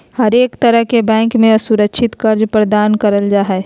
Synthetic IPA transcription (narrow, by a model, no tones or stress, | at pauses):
hɐɾeːkt̪ɐɾəɦkebɛ̃ːŋkmẽɐsuɾəkʃʰɪt̪kɐɾd͡ʒpɾəd̪aːnkɐɾəld͡ʒaːɦɛ